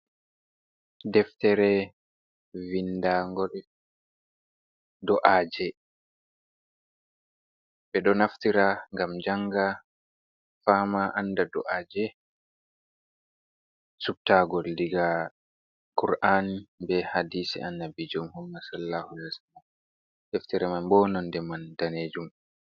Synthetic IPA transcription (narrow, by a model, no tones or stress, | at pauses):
dɛftɛɾɛ | vindaŋɡɔɾ | dɔʔaːd͡ʒɛ | ɓɛɗɔnaftiɾaŋɡamd͡ʒaŋɡa | faːmaʔandadɔʔaːd͡ʒɛ | sub̚taɡɔldiɡa | kuɾʔanbɛhadiːsɛ̰ʔanːabid͡ʒɔmhumːasalːahulɛsanam | heftiɾamanbɔːnɔndɛmandaneːd͡ʒum